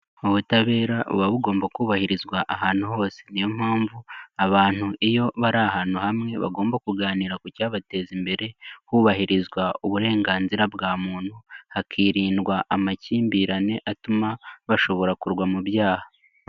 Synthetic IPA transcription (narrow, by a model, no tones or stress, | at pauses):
oβutaβe̞ːɾaʔṵβaβuɡo̞ːmbakuːβahiɾizɡwaʔahaːn̥huho̞ːse̞nijo̞m̥haːɱvuaβaːn̥uʔijo̞βaɾaɦaːn̥huhamŋe̞βa̰ɡo̞ːmbakuɡaːniːɾakucaːβate̞ːzimbe̞ɾe̞huːβahiɾizɡwauβuɾe̞ːŋɡaːnziɾabɡaːmuːn̥huhakʰiːɾiːndɡwaʔamaciːmbiːɾane̞ʔatumaβaʃo̞βo̞ɾakuɾɡwamuβjaːha